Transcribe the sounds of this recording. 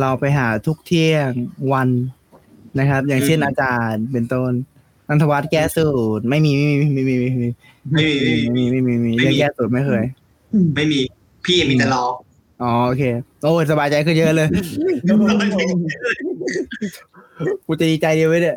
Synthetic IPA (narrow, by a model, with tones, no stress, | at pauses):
la˧wpa˧jɦaː˩˦t̪ʰu˦˥k̚t̪ʰi˥˩əŋwa˧nː | na˦˥kʰɾa˦˥p̚jaː˨˩ŋse˥˩nʔaː˧t͡ɕaː˨˩npe˧nt̪o˧˩n | ʔa˧nt̪ʰa˧wa˦˥t̪̚kɛː˥˩suː˨˩t̪̚ma˥˩jmiː˧ma˥˩jmiː˧mi˧˩ma˥˩miː˧ma˧˩iː˧˩˥ | miː˧˩ma˥˩jmiː˧ma˥˩jmi˧˩miː˧lɯ˥˩əŋkɛː˥˩suː˨˩t̪̚ma˥˩kʰɤː˧j | ma˥˩jmiː˧ | pʰiː˥˩ja˨˩mi˧t̪a˧˩lɔː˧˩ | ʔɔː˨˦ʔoː˧kʰeː˧ʔoː˧˩˨sa˧baː˧jt͡ɕa˧jkʰɯː˥˩jɤ˦˥ʔlɤː˧j | a˧a˧˩˧ | kʰuː˧˩t͡ɕa˨˩diː˧t͡ɕa˧jdi˧əwɯ˦˥dɯ˧˩